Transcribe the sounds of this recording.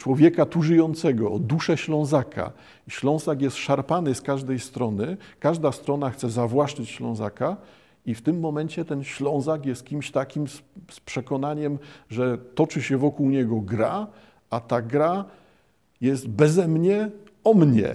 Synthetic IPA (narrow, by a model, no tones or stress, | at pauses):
t͡ʂwɔvʲjɛkat̪uʐɘjɔnt̪sɛɡɔːd̪uʂɛɕlɔ̃w̃zakʰa̰ | ɕlɔ̃w̃zakʲjɛst̪ʂaɾpanɘskaʐd̪ɛjst̪ɾɔnɘkaʐd̪ast̪ɾɔnaxt̪sɛzavwaʂt͡ʂɘt͡ɕɕlɔ̃w̃za̰ka | ift̪ɘmːɔmɛnt͡ɕɛt̪ɛnɕlɔ̃w̃zakʲjɛst̪̚kʲimɕt̪akʲimsspʂɛkɔnaɲɛmʐɛt̪ɔt͡ʂɘɕɛvɔkuwɲɛɡɔɡɾa | at̪aɡɾa | jɛst̪bɛzɛmɲɛ | ɔmɲɛ̰